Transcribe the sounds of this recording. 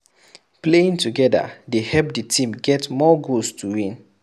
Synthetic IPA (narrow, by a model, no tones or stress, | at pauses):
pleĩŋtuɡɛda̰dehɛp̚ditĩmɡɛtmɔɡolstʰuwĩn